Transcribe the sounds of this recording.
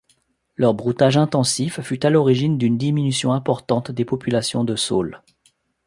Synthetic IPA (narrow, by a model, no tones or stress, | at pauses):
lœʁbʁut̪aʒɛ̃t̪ɑ̃sifːyt̪alɔʁiʒind̪ynd̪iminysjɔ̃ɛ̃pɔʁt̪ɑ̃t̪d̪epɔpylasjɔ̃d̪əso̰l